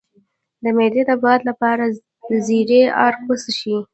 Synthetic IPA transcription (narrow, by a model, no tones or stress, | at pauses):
d̪əmed̪ed̪əbɑd̪lapɑɾa | dəziɾeɑ̰ɾkpəsəʃi